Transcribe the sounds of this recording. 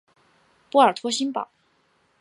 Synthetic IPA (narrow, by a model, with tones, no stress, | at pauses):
pu˥ə˞˨˩t̪ʰwɔ˥ɕi˥npɑ̰˨˩˦